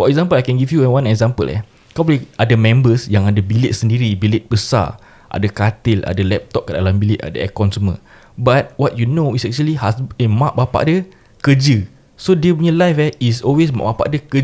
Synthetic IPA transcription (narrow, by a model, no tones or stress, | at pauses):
fɔɛk̚zãmpəlajkɛ̃nɡivjuɛ̃wãnɛkzãmpə̰lɛ̰ | kɔ̃pliʔadəmɛ̃mbəsjãŋadabilɪt̪̚səndiɾibilɪt̪̚bəsa̰ | ʔa̰dakat̪ɪla̰dalɛp̚t̪ɔp̚kədalambilɪt̪̚a̰da̰ɛkɔnsumə̰̃ | bat̪̚wɔt̚junoisɛk̚t͡ʃuəlihasəmãʔ̚bapa̰ʔdə | kəd͡ʒə | sodəbɲəlajfɛisɔlwes̬mã̰ʔbapa̰ʔdəkə